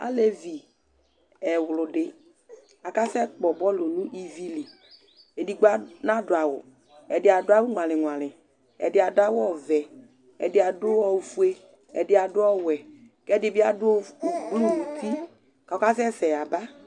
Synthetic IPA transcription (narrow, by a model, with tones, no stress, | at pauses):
a̰˦le˦vi˨ | ɛ˨wʊ˨lʊ˨dɪ˨ | a˨ka˦sɛ˦k͡pɔ˨bɔ˦lo˨nũ˦ʔi˦vi˦li˨ | e˨di˨ɡ͡ba˦na˦dʊ˨a˨wʊ̰˨ | ɛ˨dɪ˨˦a˨dʊ˦a˦wʊ˦ŋʷ˨ã˨lɪ˨ŋʷ˨ã˨lɪ˨ | ɛ̰˨dɪ˦a˨dʊ˦a˦wɔ˦˨vɛ˨ | ɛ̰˨dɪ˨˦a˨dʊ˦ɔ˨fu˦e˦ | ɛ̰˨dɪ˦a˨dʊ˦ɔ˦wɛ˨ | kɛ˦dɪ˨bɪ˦a˦dʊ˦ɔ˦˨ɡ͡blu˦˨nu˨t̪i˦ | ka˨ɔ˦ka˦sɛ˦sɛ˨a˨ba˦